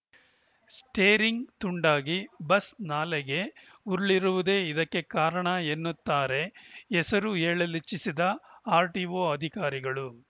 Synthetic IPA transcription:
sʈeːɾiŋɡt̪uɳɖaːɡibɐsnaːlɛɡe̞ | uɾɭiɾuʋud̪e̞ːid̪ɐkːe̞kaːɾɐɳɐenːut̪ːaːɾe̞ɛsɐɾuɦeːɭɐlit͡ʃːisid̪ɐaːɾʈiːʋo̞ːɐd̪ʱikaːɾiɡɐɭu

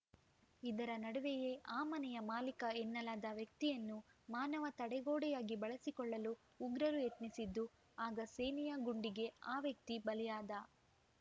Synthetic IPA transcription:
id̪ɐɾɐnɐɽuʋɛjeʔaːmɐnɛjɐmaːlikɐɛnːɐlaːd̪ɐʋjɐk̚t̪ijɐnːumaːnɐʋɐt̪ɐɽɛɡoːɽɛjaːɡibɐɭɐsikɔɭːɐluː | ɡɾɐɾujet̪nisid̪ːu | aːɡɐseːnijaɡuɳɖiɡe̞aːʋjɐk̚t̪ibɐlɛjaːd̪ɐ

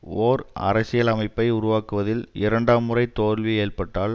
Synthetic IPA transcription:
oːɾɐ̰ɾɐsɪjɐlɐmɐɪpːɐɪʊɾʊʋaːkɯʋɐðɪlɪɾɐɳɖaːmːɯrɐɪt̪oːlʋieːrpɐʈːaːɭ

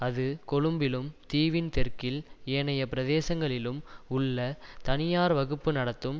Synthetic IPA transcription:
ɐðɯkɔɻɯmbɪlɯmt̪iːʋɪnt̪ɛrkɪleːnɐjɐpɪɾɐðeːsɐŋɡɐɭɪlɯmʊɭːɐt̪ɐnɪjaːɾʋɐɣɯpːɯnɐɽɐt̪ːɯm

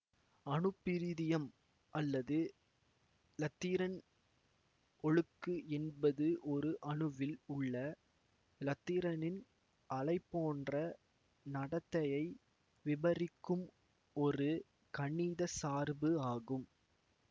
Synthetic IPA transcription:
ɐɳɯpːɪɾɪðɪjɐm | ʔɐlːɐðɯ | lɐt̪ːiːɾɐn | ɔɻɯkːɯɛnbɐðɯʔɔɾɯʔɐɳɯʋɪlʊɭːɐ | lɐt̪ːiːɾɐnɪn | ʔɐlɐɪpːoːndrɐ | nɐɽɐt̪ːɐjɐɪ | ʋɪbɐrɪkːɯm | ɔɾɯ | kɐɳːiːðɐsaːɾbɯaːɣɯm

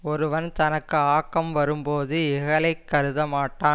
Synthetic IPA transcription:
ɔɾɯʋɐnt̪ɐnɐkːɯaːkːɐmʋɐɾɯmpoːðɯɪɣɐɭɐɪkːɐɾɯðɐmaːʈːaː

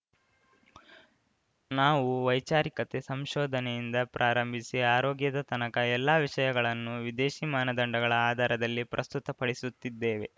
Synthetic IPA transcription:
naːʋuʋɐjt͡ʃaːɾikɐt̪esɐmʃɔːd̪ʱɐnejind̪ɐpɾaːɾɐmbʱisiaːɾoːɡjɐd̪ɐt̪ɐnɐkɐɛlːaːʋiʂɐjɐɡɐɭɐnːuʋid̪eːʃimaːnɐd̪ɐɳɖɐɡɐɭɐaːd̪ʱaːɾɐd̪ɐlːipɾʔɐst̪ut̪ɐpɐɽisut̪ːid̪ːeːʋe̞̰

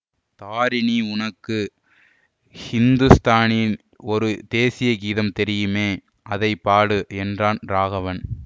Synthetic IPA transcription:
t̪aːɾɪniʊnɐkːɯ | hɪnd̪ɯst̪aːnɪn | ɔɾɯd̪eːsɪjɐɡiːðɐmt̪ɛɾɪjɯmeː | ʔɐðɐɪpːaːɽɯɛndraːnɾaːɣɐʋɐn

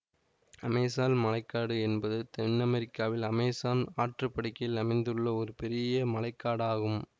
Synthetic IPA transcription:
ɐmeːsaːnmɐlɐɪkːaːɽɯɛnbɐðɯt̪ɛɳːɐmɛɾɪkːaːʋɪlɐmeːsaːnaːʈrɯpːɐɽɪkːɐjɪlɐmɐɪnd̪ɯɭːɐɔɾɯpɛɾɪjɐmɐlɐɪkːaːɽaːɣɯm

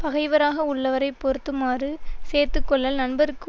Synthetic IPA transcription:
pɐɣɐɪʋɐɾaːɣɐʊɭːɐʋɐɾɐɪpːɔɾɯt̪ːɯmaːrɯseːɾt̪ɯkːɔɭːɐlnɐɳbɐɾɯkːɯ

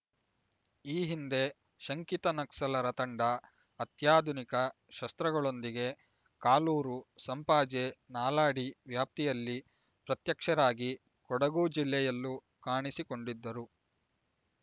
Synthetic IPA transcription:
iːɦind̪e̞ | ʃɐŋkit̪ɐnɐksɐlɐɾɐt̪ɐɳɖɐː | t̪jaːd̪ʱunikɐ | ʃɐst̪ɾɐɡɐɭo̞nd̪iɡe̞ | kaːluːɾusɐmpaːd͡ʒenaːlaːɽiʋjaːp̚t̪ijɐlːi | pɾɐt̪jɐkʂɐɾaːɡi | kɔɽɐɡuːd͡ʒilːɛjɐlːu | kaːɳisiko̞ɳɖid̪ːɐɾu

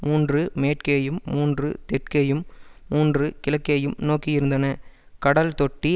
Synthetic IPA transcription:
muːndrɯmeːʈkeːjɯmːuːndrɯ̰t̪ɛʈ̚keːjɯmːuːndrɯkɪlɐkːeːjɯmnoːkːijɪɾɯnd̪ɐnɐ | kɐɽɐlt̪ɔʈːi

